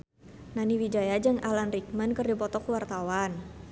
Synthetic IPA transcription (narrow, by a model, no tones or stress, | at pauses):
naniwid͡ʒajad͡ʒaŋalanrik̚mənkərdipɔt̪ɔkəwart̪awan